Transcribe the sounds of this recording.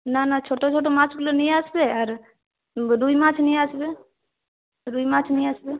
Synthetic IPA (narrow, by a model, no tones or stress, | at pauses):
nanat͡ʃʰoːʈot͡ʃʰoːʈomãːt͡ʃʰklonĩaːsbeaɾ | ɾuimãːt͡ʃʰnĩaːsbeː | ɾuːimãːt͡ʃʰnĩaːsbeː